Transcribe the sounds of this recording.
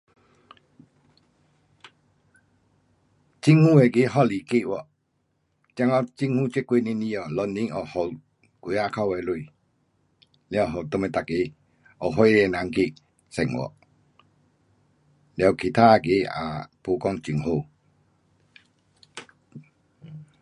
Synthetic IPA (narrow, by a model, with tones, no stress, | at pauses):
t͡ɕi˦ŋhũ˦˨e˨ɡe˨˦ɦɔ˦˨li˨ke˦˨wɔ˨ | t͡ɕja˧ŋɔ˧˦t͡ɕi˦ŋhũ˦˨t͡ɕe˦˨kwe˦˨nĩ˧˦nĩ˧˨ɔ˨lɔ˧nːĩ˧˦ŋɔ˨hɔ˨w | kwe˨˦a˧kʰa˦˧˨we˨lu˧˨ | ljɦɔ˨wt̪o˧me˨t̪a˨ke˨˦ | ɔ˨ɦɔ˧˦e˧e˧˨nã˨˦ŋke˧˨ | sɛ˨ŋwʔɔ̰˨ʔ | lja˨kʰi˨˩t̪ʰaː˦a˧˨ɡe˨˦a̰˨po˧˦kɔ˦ŋt͡ɕi˨ŋɦo˥˧˨